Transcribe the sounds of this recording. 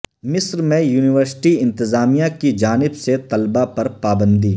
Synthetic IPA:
mɪsɾmẽjuːnɪʋəɾsɪ̥ʈiɪ̃nt̪ɪzaːmijãkid͡ʒaːnɪbset̪ɐlbapɐɾpaːbə̃nd̪iː

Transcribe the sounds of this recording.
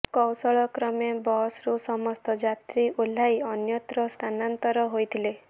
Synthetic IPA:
kɔwsɔɭɔkɾɔmebɔsɾusɔmɔst̪ɔd͡ʒat̪ɾiʔul̤ːajɔnjɔt̪ɾɔst̪ʰanant̪ɔɾɔɦojt̪ʰile

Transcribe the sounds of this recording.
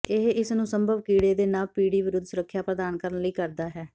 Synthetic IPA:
eɦɪsnũːsəmbʱəʋkiːɽeːd̪eːnaːlpiːɽiːʋɪɾʊd̪ʱsʊɾəkʰːjaːpɾəd̪aːnkəɾənləiːkəɾd̪aːɦɛː

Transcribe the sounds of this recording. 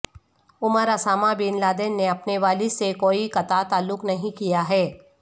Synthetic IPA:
ʊməɾɐsaːmabiːnlaːd̪eːnːeɐpneʋaːlisekoːikɐt̪at̪aːlːʊknɐɦĩkijaɦɛː

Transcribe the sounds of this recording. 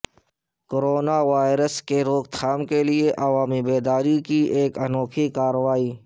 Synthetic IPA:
koɾoːnaʋaːɪɾəskeɾoːɡ̚t̪ʰaːmkelɪeʔɐʋaːmibeːd̪aːɾikiʔeːkənoːkʰikaːɾəʋaːiː

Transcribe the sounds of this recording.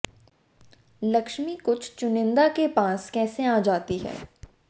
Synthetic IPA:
lɐkʃmikʊt͡ʃʰt͡ʃʊnɪ̃nd̪akepãːskɛːseaːd͡ʒaːt̪iɦɛ̰ː

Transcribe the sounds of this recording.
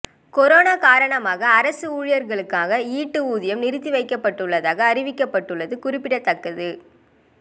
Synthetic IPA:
kɔɾoːnaːkaːɾɐɳɐmaːɣɐːɾɐsɯuːɻɪjɐɾɣɐɭɯkːaːɣɐiːʈːɯuːðɪjɐmnɪɾɯt̪ːiʋɐɪkːɐpːɐʈːɯɭːɐðaːɣɐːɾɪʋɪkːɐpːɐʈːɯɭːɐðɯkʊrɪpːɪɽɐt̪ːɐkːɐðɯ

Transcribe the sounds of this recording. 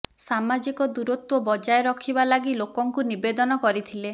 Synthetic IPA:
samad͡ʒikɔd̪uɾut̪wɔbɔd͡ʒajeɾɔkʰibalaɡilokɔŋkunibed̪ɔnɔkɔɾit̪ʰile

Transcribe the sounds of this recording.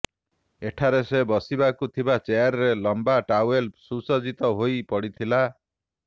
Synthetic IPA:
eʈʰaɾesebɔsibakut̪ʰibat͡ʃejaɾɔɾelɔmbaʈawelsusɔd͡ʒit̪ɔɦojpɔɽit̪ʰila

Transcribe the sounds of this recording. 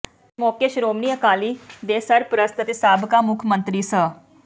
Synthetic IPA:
moːkeːʃɾoːmniːəkaːliːd̪eːsəɾpɾəst̪ət̪eːsaːbʱkaːmʊkʰmə̃nt̪ɾiːsə

